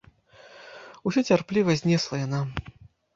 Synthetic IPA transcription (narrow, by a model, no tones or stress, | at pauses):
usʲɔt͡sʲarplʲivɐzʲnʲɛslˠɐjana